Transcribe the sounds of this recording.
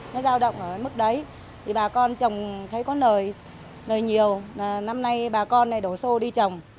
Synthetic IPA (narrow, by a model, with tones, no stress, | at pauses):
nɔ˨˦zaː˧wɗə̰˧˨wŋ͡mʔəː˧˩mɨ˦˥k̚ɗə˨˦j | t̪ʰi˨˩ɓaː˨˩kɔ˧nt͡ɕə˨˩wŋ͡mt̪ʰə˨˦jkɔ˨˦nəː˨˩j | nəː˨˩jɲi˨˩əwaː˨˩na˧mna˧jɓaː˨˩kɔ˧nla̰˧˨ɗo˧˩so˧ɗi˧t͡ɕə˨˩wŋ͡m